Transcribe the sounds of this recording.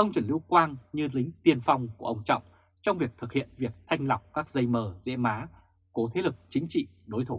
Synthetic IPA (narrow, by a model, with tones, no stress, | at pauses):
ʔə˧wŋ͡mt͡ɕə˨˧˩nli˧əwkwaː˧nɲɨ˧lï˨˦ŋ̟t̪i˧ənfa˧wŋ͡mku˧˩əʔə˧wŋ͡mt͡ɕɔ̰˧˨wŋ͡m | t͡ɕɔ˧wŋ͡mvi˨˩ək̚t̪ʰɨ˨˩k̚hḭ˧˨ənvi˨˩ək̚t̪ʰa˧jŋ̟la˨˩wk͡p̚kaː˦˥k̚zə˧jməː˨˩zɛ̰˧˥maː˨˦ | ko˨˦t̪ʰe˨˦lɨ˨˩k̚t͡ɕï˨˦ŋ̟t͡ɕḭ˧˨ | ɗo˨˦jt̪ʰu˧˩